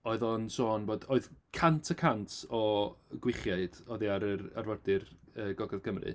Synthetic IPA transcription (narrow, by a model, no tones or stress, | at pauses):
oɨðɔnsoːnvoːdoɨðkʰantʰəkʰantʰɔɡwɪχjaɨd̥ɔðiaɾəra̰rvɔrdɨrəːɡɔɡɛðɡəmrɨ̰